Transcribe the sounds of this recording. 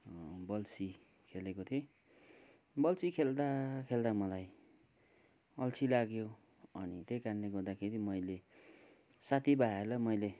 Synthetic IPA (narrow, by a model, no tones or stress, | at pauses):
bʌlsi | kʰelekot̪ʰo | bʌlsikʰeld̪akʰeld̪amʌlaj | ʌlsʰilaɡjo | ʌnit̪ejkarleɡʌrd̪akʰeɾimʌjle | sat̪ʰibaelʌmʌjle